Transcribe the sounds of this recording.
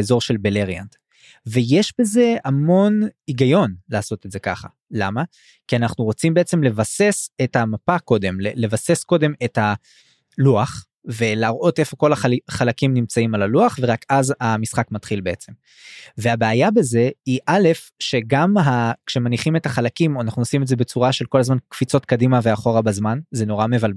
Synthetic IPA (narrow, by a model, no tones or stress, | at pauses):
ezo̞ʁʃe̞lbeleʁja̰nd̪ | ve̞jeʃbe̞ze̞amo̞niɡajo̞nlaːso̞t̪edzekaχa̰ | lama | kianaχnuʁo̞t͡simbe̞et͡se̞mle̞vase̞sethamapako̞d̪e̞mlele̞vase̞sko̞de̞metha | luaχ | ve̞laːʁʔo̞te̞fo̞ko̞laχalakimnimt͡saimalaluaχveʁakazamisχakmatχilbe̞et͡se̞m | veabeajabe̞ze̞iʔale̞f | ʃe̞ɡamɦakʃe̞maniχime̞taχalakimoanaχnuosimeze̞be̞t͡suʁaʃe̞lko̞lazmankfit͡so̞tkadimaveaχo̞ʁabazmanze̞no̞ʁame̞val